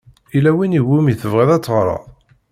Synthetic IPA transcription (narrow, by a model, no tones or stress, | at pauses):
ilæwiniwumiθəvʁæðæt͡sːəʁɾˤɑ̰ðˤ